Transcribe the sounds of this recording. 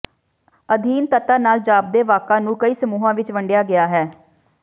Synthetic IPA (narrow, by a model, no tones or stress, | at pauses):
əd̪ʱiːnt̪ət̪aːnaːld͡ʒaːb̚d̪eːʋaːkãːnũːkəiːsəmuːɦãːʋɪt͡ʃʋəɳɖɪjaːɡɪjaːɦɛː